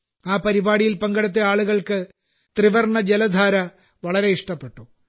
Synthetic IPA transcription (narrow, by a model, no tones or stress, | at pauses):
aːpɐɾibaːɽijilpɐŋɡɐɽut̪̬ːeaːɭuɣɐɭkɨ | t̪riʋɐrɳɐd͡ʑelɐd̪ʱaːɾɐ | ʋɐɭɐɾe̞iʂʈɐpːe̞ʈːu